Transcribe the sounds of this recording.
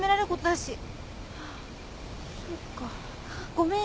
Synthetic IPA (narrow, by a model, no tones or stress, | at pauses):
me̞ɾaɾekot̪od̪aɕi | sokːa | ɡ̥o̞mẽ